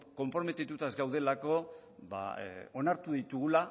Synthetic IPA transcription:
ko̞mpɾo̞me̞t̪it̪ut̪aezɡawð̞e̞lako̞βa̰o̞naɾt̪uðit̪uɣula

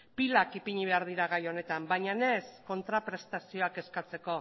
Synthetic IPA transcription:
pilakipiɲiβ̞e̞aɾð̞iɾaɣ̞ajo̞ne̞t̪ambajɲane̞sko̞nt̪ɾapɾe̞st̪asio̞ake̞skat͡se̞ko̞

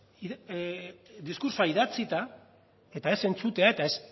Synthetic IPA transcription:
i | d̪iskuɾsoaiðat͡sit̪a | e̞t̪ae̞se̞nt͡sut̪e̞ae̞t̪aes

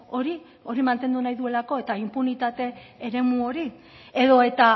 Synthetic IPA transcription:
o̞ɾi | o̞ɾimant̪e̞nd̪unajðue̞lako̞e̞t̪aimpunit̪at̪e̞ːɾe̞muo̞ɾi | eðo̞e̞t̪a

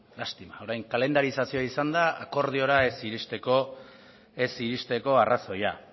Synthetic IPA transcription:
last̪imao̞ɾajŋkale̞nd̪aɾisasio̞aisand̪aa̰ko̞ɾð̞io̞ɾaesiɾist̪e̞ko | e̞siɾist̪e̞ko̞araso̞ja

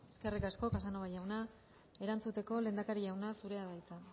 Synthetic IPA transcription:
eske̞rikasko̞kasanoβajawna | e̞ɾant͡sut̪e̞ko̞le̞ːnd̪akaɾiawnasuɾe̞aβajt͡s̪a

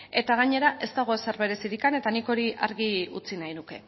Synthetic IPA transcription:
e̞t̪aɣ̞aɲe̞ɾaʔe̞st̪aɣ̞o̞esaɾβe̞ɾe̞siɾikane̞t̪aniko̞ɾiʔaɾɣiut͡sinajnuke̞

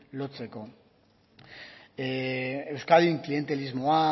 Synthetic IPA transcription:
lo̞t͡se̞ko̞ | e̞wskaðiŋklie̞nt̪e̞lizmoa

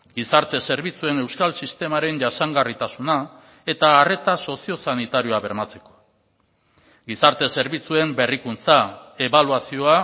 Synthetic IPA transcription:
ɡisaɾt̪e̞se̞ɾβit͡sue̞ne̞wskalsist̪e̞maɾe̞nʝasaŋɡarit̪asuna | e̞t̪aːre̞t̪aso̞sio̞sanit̪aɾio̞aβe̞ɾmat͡se̞̥ko̞̥ | ɡisaɾt̪e̞se̞ɾβit͡sue̞mbe̞rikunt͡sae̞βaluasio̞a

